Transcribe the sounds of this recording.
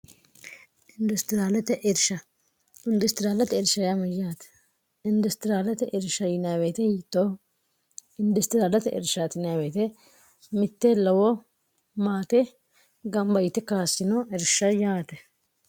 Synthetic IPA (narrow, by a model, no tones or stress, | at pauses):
ɪnd̪ʊst̪ɪɾaːlɛt̪ɛʔɛɾʃɐ | ɪnd̪ʊst̪ɪɾaːlɐt̪ɛɪɾʃːɐjamɐjaːt̪ɛ̥ | ɪnd̪ʊst̪ɪɾaːlɛt̪ɛʔɪɾʃɐjɪnɪjaːbeːt̪ɛhiːt̪ːoː | ɪnd̪ʊst̪ɪɾaːlɐt̪ɛʔɪ̰ɾʃat̪ɪnɪjabeːt̪ɛ | mɪt̪ːɛlɐwɔ | maːt̪ɛ | ɡɐmbɐjɪt̪ːɛkaːsɪnoɛɾʃːɐjaːt̪ɛ